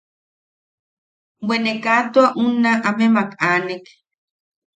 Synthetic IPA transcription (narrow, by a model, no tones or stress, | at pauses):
wenekat̪uaʔunaʔamemakaːnek